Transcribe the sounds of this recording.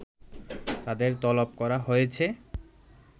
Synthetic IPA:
t̪ad̪eɾt̪ɔlob̚kɔɾaɦojet͡ɕʰe

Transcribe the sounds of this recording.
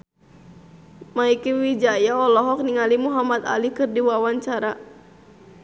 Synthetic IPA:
maikewid͡ʒajaɔlɔɦɔk̚niŋalimuɦamat̪a̰likɨrdiwawaɲt͡ʃaɾa

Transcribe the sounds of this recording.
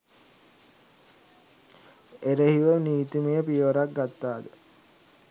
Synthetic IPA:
eɾehiʋəniːt̪imejəpijəʋɐɾak̚ɡat̪ːaːd̪ə

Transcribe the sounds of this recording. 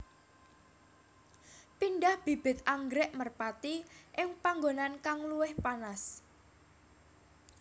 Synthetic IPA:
pinɖahb̥i̤b̥ɪ̤t̪̚ʔaŋɡɾɛʔmərpat̪iʔɪŋpaŋɡonankaŋluɪhpanas

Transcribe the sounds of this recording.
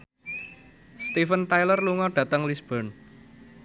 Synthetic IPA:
st̪ifənt̪ajlərluŋɔɖ̥ä̤t̪əŋlisb̥ɔn

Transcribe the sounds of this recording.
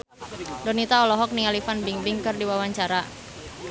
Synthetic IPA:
dɔnit̪aɔlɔɦɔk̚nialifanbiŋbɪŋkɨrdiwawaɲt͡ʃaɾa

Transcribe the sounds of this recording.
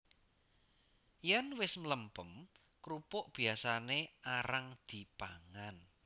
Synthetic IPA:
jɛnwɪsmləmpəm | kɾupʊʔb̥i̤asaneaɾaŋd̪̥i̤paŋan

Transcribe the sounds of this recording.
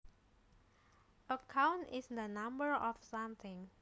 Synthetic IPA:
ʔəkʰãwnɪsd̪ənãmbəɹɔfsʌ̃mθɪ̃ŋ

